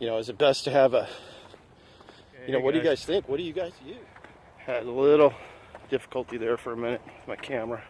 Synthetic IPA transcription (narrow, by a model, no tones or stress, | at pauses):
jɨnoʊɨzɨt̚b̥ɛstʰɨːvə | ɨnoʊwʌt̚d̥ɨɡaɪz̥θɪ̃ŋkwʌt̚d̥ɨjɨɡaɪz̥jʉ | ɨdlɪɾl̩ˠd̥ɪfə̥kəl̩ˠtiðə˞fə˞ɨmɪ̃ñɨt̚maɪkʰæmə˞ɨ